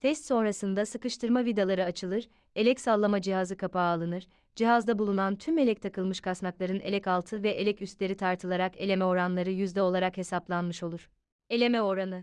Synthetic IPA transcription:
t̪ʰɛst̪so̞nɾasɯnd̪asɯkɯʃt̪ʰɯɾmavid̪alˠaɾɯat͡ʃʰɯlˠɯɾ | e̞lʲɛcsalˠːamad͡ʒiɦazɯkʰapaːlˠɯnɯɾ | d͡ʒiɦazd̪abulˠunant̪ʰyme̞lʲɛc̚t̪ʰakʰɯlˠmɯʃkʰasnaklˠaɾɯne̞̰lʲɛcalˠt̪ʰɯvɛʔelʲɛcyst̪lʲe̞ɾit̪ʰaɾt̪ʰɯlˠaɾake̞lʲe̞mɛo̞ɾanlˠaɾɯjyzd̪ɛo̞lˠaɾakhe̞saplˠanmɯʃo̞lˠuɾ̥ | e̞lʲe̞mɛo̞ɾanɯ

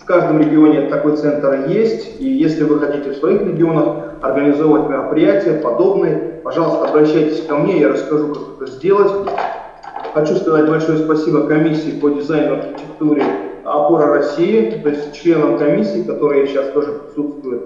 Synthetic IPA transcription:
fkaʐd̪əmɾʲɪɡʲɪo̞nʲɪt̪ɐko̞jt̪sɛnt̪ərjesʲtʲijesʲlʲɪvɨxɐtʲitʲɪfsvɐixɾʲɪɡʲɪo̞nəx | ɐrɡənʲɪzo̞əvətʲmʲɪɾəpɾʲɪjætʲɪjəpɐd̪o̞bnɨjəpɐʐɑlˠəst̪əɐbɾɐɕːæjtʲɪ̥sʲkɐmnʲejaɾəskɐʐukakɛt̪əzʲdʲelˠətʲ | xɐt͡ɕuskɐzat̚ʲbɐlʲʂo̞jʊspɐsʲibəkɐmʲisʲːiːpədʲɪzajnʊɐrxʲɪtʲɪkt̪uɾʲɪɐ̰poɾəɾɐsʲijɪt̪o̞ɪsʲtʲt͡ɕlʲe̞nəmkɐmʲisʲːiːkɐt̪o̞ɾɨjəɕast̪o̞ʐɨpɾʲɪsut̪st̪vʊjʊt̪̚

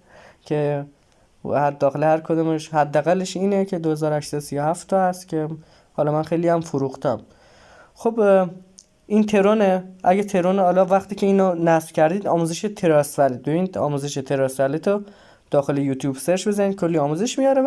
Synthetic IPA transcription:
cʰe | hæɾd̪ɒːxelehæɾkʰod̪ɔːmeʃhæd̪ːæɣælːeʃiːnecʰe̞d̪ohezɒːɾohæʃsæd̪osijohæft̪ʰːɒæst̪cʰe̞ | hɒːlɒmænxe̞jliæmfoɾuxt̪ʰæm | xob | ʔint̪ʰe̞ɾoneʔæɟæt̪ʰe̞ɾonɒːlɒːvæxt̪iːcʰe̞iːnɔnæsv̥cʰæɾd̪iːd̪ɒːmuːze̞ʃet̪ʰe̞ɾɒːsvæled̪oiːnɒ̰ːmuːze̞ʃet̪ʰe̞ɾɒːsvælit̪ʰɔ | d̪̥ɒːxelejuːt̪ʰjuːbseɾʃbezænid̪̥̚kʰo̞lːiɒːmuːze̞ʃmijɒːɾe

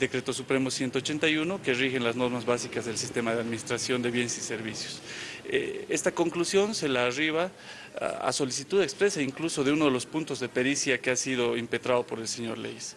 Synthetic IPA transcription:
d̪ekɾe̞t̪o̞supɾe̞mo̞sje̞nt̪oːt͡ʃe̞nt̪ajuno̞kerixe̞nlazno̞ɾmazβasikazðe̞lsist̪e̞mað̞eaðminist̪ɾasjo̞nd̪e̞βje̞nesise̞ɾβisjo̥sḛe̞st̪ako̞ŋklusjo̞nse̞laːriβ̞a̰ | a̰so̞lisit̪uðekspɾe̞saiŋkluso̞ðeuno̞ðe̞lo̞spunt̪o̞zðepe̞ɾisjakeasiðo̞impet̪ɾaðo̞po̞ɾe̞lse̞ɲo̞ɾlḛjs

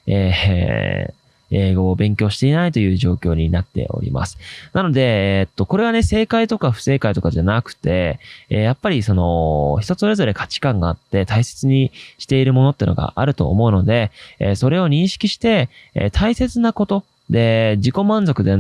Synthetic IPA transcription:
ḛː | eːɡo̞ːbẽ̞ŋkʲo̞ːɕi̥t̪e̞inait̪o̞jɯ̟ːʑo̞ːkʲo̞ːɲ̟inat̪ːe̞̰o̞̰ɾʲḭma̰sɨ̥nano̞d̪e̞et̪ːo̞ko̞ɾe̞ɡane̞se̞ːkait̪o̞kaɸɯ̟̥se̞ːkait̪o̞kaʑanakɯ̟̥t̪e̞japːaɾʲiso̞no̞çi̥t̪o̞so̞ɾe̞zo̞ɾe̞kʰḁt͡ɕi̥kãŋɡaːt̪ːe̞t̪aise̞̥t͡sɨɲ̟iɕi̥t̪e̞iɾɯ̟mo̞no̞t̪ːeiɯno̞ɡa̰ʔaɾɯ̟t̪o̞̰ːmo̞ɯ̟no̞d̪e̞̰so̞ɾe̞o̞ɲ̟ĩɰ̃ɕi̥kʲiɕi̥t̪e̞̰t̪ʰaise̞t͡sɨnako̞t̪o̞ | d̪e̞d͡ʑiko̞mãnd͡zo̞kɯ̟d̪e̞

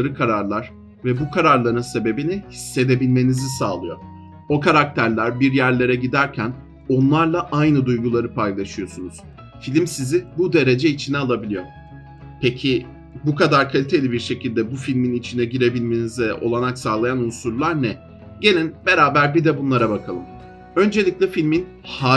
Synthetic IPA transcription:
ɾɯkʰaɾaɾlˠaɾ̥ | vɛbukʰaɾaɾlˠaɾɯnse̞be̞binihisːe̞d̪e̞bilʲme̞nizisaːlˠɯjo̞̰ | o̞kʰaɾak̚t̪ʰæɾlʲæɾbiɾjæɾlʲe̞ɾɛɟid̪æɾcʰæn | o̞nlˠaɾlˠaʔajnɯd̪ujɡulˠaɾɯpʰajlˠaʃɯjo̞sunuz̥ | filʲimsizibud̪e̞ɾe̞d͡ʒɛit͡ʃʰinɛalˠabilʲijo̞ | pʰecʰi | bukʰad̪aɾkʰalʲit̪ʰe̞lʲibiɾʃe̞cilʲd̪ɛbufilʲminit͡ʃʰinɛɟiɾe̞bilʲme̞nizɛo̞̰lˠanaksaːlˠajanunsuɾlˠaɾnɛ | ɟe̞lʲinbe̞ɾaːbæɾbid̪ɛbunlˠaɾabakʰalˠɯm | ø̞nd͡ʒe̞lʲicʲlʲɛfilʲmin | ha

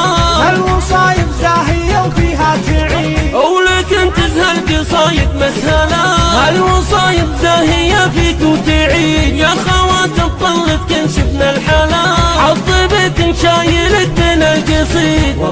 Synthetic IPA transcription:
halwɑsˤɑːjɪbzaːɦɪjːawfiːɦat̪ɪʕiʔawlakɪnt̪ɪzhalkɪsˤɑːjɪt̪mashalahalwɑsˤɑːjɪbzaːɦɪjːafiːk̪ʊt̪ɪʕiːd̪jaxawaːt̪ɪt̪ˤːɑlːɪf̚kɪnʃɪbnalħalaʕɑt̪ˤːibɪt̪ɪnʃaːjɪlɪt̪mɪnalɡɪsˤiːd̪

